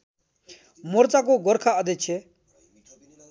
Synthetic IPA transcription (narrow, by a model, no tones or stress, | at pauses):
mʊɾt͡saːkoːɡɔɾkʰaəd̪et͡ʃʰe